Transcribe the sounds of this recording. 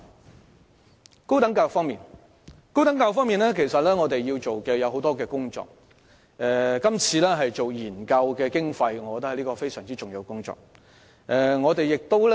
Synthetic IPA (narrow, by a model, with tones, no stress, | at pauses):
ko˥wt̪ɐ˨˥ŋkaː˧jʊ˨˩fɔː˥ŋmiː˨n | ko˥wt̪ɐ˨˥ŋkaː˧jʊ˨˩fɔː˥miː˨˩nlɛː˥kʰe˨˩jsɐ˨t̚lɛː˥ŋɔː˨˧t̪e˨jjiː˧wt͡ʃo˨wkɛː˧jɐ˨˧who˨˥wt̪ɔː˥kɛː˧kʊ˥ŋt͡ʃɔ̰ː˨k̚ | ɛ˧kɐ˥mt͡sʰiː˧lɛː˥ɦɐ˨jt͡so˨wjiː˨˩nkɐ˧wkɛː˧kɪ˥ŋfɐ˧jŋɔ˨˧kɔ˨t̪ɐ˥hjliː˥kɔː˧fe˥jsœː˨˩ŋt͡siː˥t͡sʊ˨ŋji˨˧wkʊ˥ŋt͡sɔ̰ː˨k̚ | ʔɛ˨˧ŋɔː˨˧t̪e˨jɪ˨k̚t̪o˥wl